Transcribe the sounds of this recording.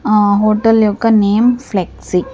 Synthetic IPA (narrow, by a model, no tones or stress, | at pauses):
ɦoːʈəljoːkɐneːmfleksi